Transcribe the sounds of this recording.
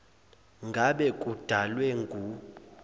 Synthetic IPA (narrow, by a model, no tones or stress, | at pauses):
ŋɡʱaɓɛkʼud̥ʱalwɛŋɡʱu